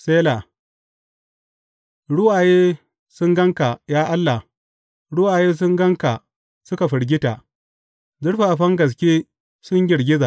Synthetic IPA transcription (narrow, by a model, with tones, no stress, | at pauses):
seː˦la˨ | ɽʊ˦wʔaː˨jeː˦ | sʊ˦ŋɡɐ˦ŋka˨jaː˦ʔa˦lːa˨ | ɽʊ˦ʔaː˨jeː˦s̬ʊ˦ŋɡɐ˦ŋka˨ | sʊ˦ka˨ɸɪ˨ɽɡʲɪ˦ta˨ | zʊ˦ɽɸaː˨ʔa˨ɸɐ˦ŋɡɐ˨s̬kʲeː˦ | sʊ˦ɲɡʲɪ˨ɽɡʲɪ˦zaː˨